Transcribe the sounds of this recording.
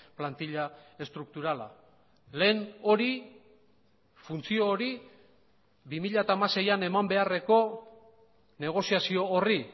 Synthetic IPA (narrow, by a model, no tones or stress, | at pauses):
plant̪iʎae̞st̪ɾuk̚t̪uɾala̰ | le̞ːno̞ɾi | funt͡sio̞ːɾi | bimiʎat̪aːmase̞jane̞mambe̞are̞ko̞ | ne̞ɣ̞o̞siasio̞ːri